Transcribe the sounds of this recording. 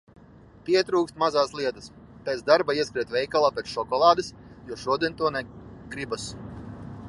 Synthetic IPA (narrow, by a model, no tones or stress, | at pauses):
pʲiɛt̪ɾuːkst̪mazaːslˠiɛt̪as | pɛːt̪sd̪aɾbaiɛskɾiɛt̪vʲɛjkalˠaːpʲɛt̪sʃɔkɔlˠaːd̪ɨsjuɔʃuɔd̪ʲiɛnʲt̪uɔnɛɡɾibas